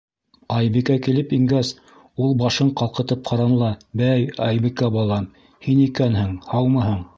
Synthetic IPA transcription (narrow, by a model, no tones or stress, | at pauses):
ɑjbikækilɘpiŋɡæs | ulˠbɑʃɤɴqɑlˠqɤ̆t̪ɤp̚qʰɑɾɑnlˠɑbæjɑjbĭkæbɑlˠɑm | hinikænhɘŋhɑwmɤhɤɴ